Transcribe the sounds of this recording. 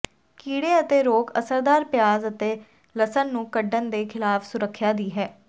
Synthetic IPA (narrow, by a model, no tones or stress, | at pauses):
kiːɽeːət̪eːɾoːkə̰səɾd̪aːɾpɪjaːzət̪eː | ləsənːũːkəɖənd̪eːkʰɪlaːfʰsʊɾəkʰːjaːd̪iːɦɛː